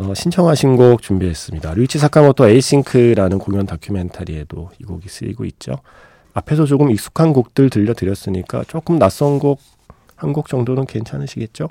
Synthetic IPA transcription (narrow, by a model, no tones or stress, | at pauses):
ʌɕʰint͡ɕʰʌŋɦaɕʰinɡok̚t͡ɕumbiɦe̞s͈ɯmɲidaɾut͡ɕʰisʰak͈amʌtʰoeis͈iŋkʰɯɾanɯnkoŋjʌntakʰjume̞ntʰaɾie̞doiɡoɡis͈ʰɯ̰ʎɡo̰it̚t͡ɕ͈o̰ | apʰe̞sʰʌt͡ɕoɡɯmik̚s͈u̥kʰanɡuk̚t͈ɯɭtɯʎːʌtɯɾjʌs͈ɯɲik͈a̰t͡ɕ͈ok͈ɯmnas͈ʌnɡok̚ | hanɡuk̚t͡ɕ͈ʌŋdonɯnke̞nt͡ɕʰanɯɕʰiɡe̞t̚t͡ɕ͈o